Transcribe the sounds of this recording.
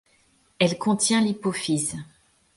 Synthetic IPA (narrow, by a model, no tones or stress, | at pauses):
ɛlkɔ̃t̪jɛ̃lipofiz